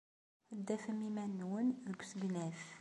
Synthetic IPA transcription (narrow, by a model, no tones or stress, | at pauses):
d̪ːæfəmimænːwənðəɡʷsəɡnæf